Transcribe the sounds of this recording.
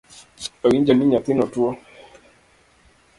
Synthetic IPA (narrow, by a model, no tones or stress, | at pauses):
ɔiɲd͡ʒaniɲat̪inɔtuɔ